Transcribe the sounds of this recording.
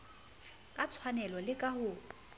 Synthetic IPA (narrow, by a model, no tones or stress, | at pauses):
kʼat͡sʰwanɛlɔlɪkʼahʊ